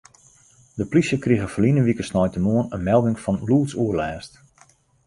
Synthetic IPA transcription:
dəplisjəkriɣəfəlinəʋikəsnɔjtənmuənənmɛlˠdɪŋfɔnluːtsuərlɛːst

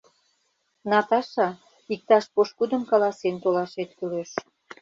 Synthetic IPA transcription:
nɑt̪ɑʃɑ | ik̚t̪ɑʃpoʃkud̪ə̆mkɑlɑsent̪olɑʃet̪kyleʃ

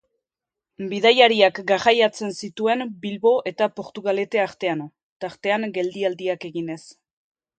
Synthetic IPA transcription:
biðajaɾiakɡaɣajat͡se̞nsit̪ue̞nbilβo̞ʔe̞t̪apo̞ɾt̪uɣale̞t̪eaɾt̪e̞ano̞ | t̪aɾt̪e̞aŋɡe̞ld̪iald̪iake̞ɣine̞s

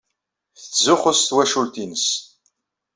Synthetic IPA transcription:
θəθzʊχʊst̪wæʃult̪inəs

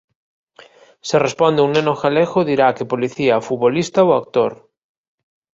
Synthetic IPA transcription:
serespond̪euŋnenoxalexoðiɾakepoliθiafut̪̚βolist̪aoak̚t̪oɾ

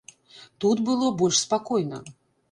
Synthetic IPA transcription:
t̪ut̪bɨlˠɔbɔlʲʂspakɔjnɐ̰

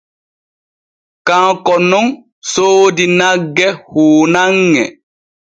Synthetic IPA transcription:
kãkɔnɔŋ | soːdinaɡːɛhuːnaŋːɛ

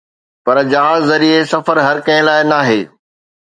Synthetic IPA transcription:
pɐɾd͡ʑãːzɐɾiesɐfəɾɦɐɾkɐ̃ɪ̃laːɪnaːɦeː

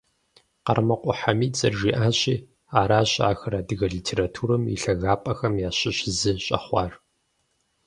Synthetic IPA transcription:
qɐ̰rmɐqʷʼʊħamiːt͡sʼɐrʒiːʔaːɕʼiː | aːɾaːɕa̰ːxɐɾaːdɨɣɐɮiːtʰeːɾatʰuːɾɨmḭɬɐɣaːpʼɐxɐmjaːɕɪɕzɨɕʼɐ̰χʷɑːr

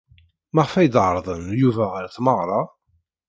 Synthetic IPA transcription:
məʁfæjd̪ʕəɾˤðˤənjuvæʁəɾθməʁɾˤɑ

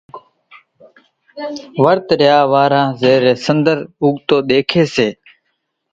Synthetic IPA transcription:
ʋəɾt̪ɾɪjaːʋaːɾãːzeːɾeːsənd̪əɾʊɠt̪oːɗ̪eːkʰeːseː

